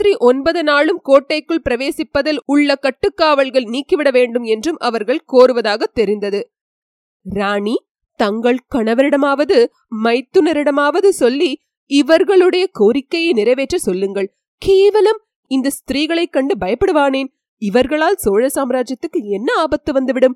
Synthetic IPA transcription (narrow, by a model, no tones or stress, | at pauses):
t̪ɾiʔɔnbɐðɯnaːɭɯmkoːʈːɐɪkːɯɭpɪɾɐʋeːsɪpːɐðɪlʊɭːɐkːɐʈːɯkːaːʋɐɭɣɐɭniːkːɯʋɪɽɐʋeːɳɖɯmɛndrɯmʔɐʋɐɾɣɐɭkoːɾɯʋɐðaːɣɐt̪ːɛɾɪnd̪ɐðɯ | ɾaːɳi | t̪ɐŋɡɐɭkɐɳɐʋɐɾɪɽɐmaːʋɐðɯ | mɐɪt̪ːɯnɐɾɪɽɐmaːʋɐðɯsɔlːi | ɪʋɐɾɣɐɭɯɽɐjɐkoːɾɪkːɐjɐɪnɪɾɐɪʋeːʈrɐsɔlːɯŋɡɐɭ | keːʋɐlɐm | ɪnd̪ɐst̪ɪɾiːɣɐɭɐɪkːɐɳɖɯbɐjɐpːɪɽɯʋaːneːn | ɪʋɐɾɣɐɭaːlsoːɻɐsaːmɾaːd͡ʒjɐt̪ːɯkːɯɛnːɐaːbɐt̪ːɯʋɐnd̪ɯʋɪɽɯm